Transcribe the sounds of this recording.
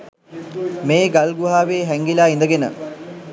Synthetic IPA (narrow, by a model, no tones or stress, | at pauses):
meːɡalɡuɦaːʋeːɦæŋɡilaːind̪əɡenə̰